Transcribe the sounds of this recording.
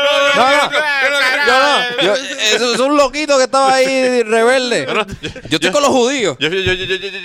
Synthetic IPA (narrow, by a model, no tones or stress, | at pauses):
nonõ | d͡ʒonod͡ʒoesosũnlokit̪okeht̪aβaireβe̞ld̪ed͡ʒoet̪okonlohuðio